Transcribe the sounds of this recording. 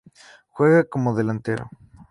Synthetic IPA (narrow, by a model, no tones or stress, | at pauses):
xweɣakomoðelant̪eɾo̰